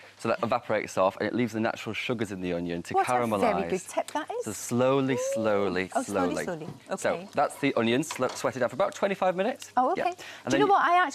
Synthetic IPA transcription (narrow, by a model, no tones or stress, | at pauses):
soʊðəɪvapʰəɹeɪtsɔˑfə̰̃nɪ̰ʔliːvzðəna̰t͡ʃɹəlˠʃʊɡəzɪ̃nðiʌ̰̃njə̰̃ntʰəkʰaɹə̃məlɛaiɪɡʊd̚tʰɪp̚ðəʔɪzsoʊsloʊlisloʊliloʊlḭʊiosoʊðatsðiʔʌ̃njə̃nsoʊswɛtɪdãʊfəɹəbaʊtʰw̥ɛ̃ntifaɪvmɪ̃nɪtsoʊoʊjɛeə̃nðə̃noʊwɒtaɪak̚t͡ʃ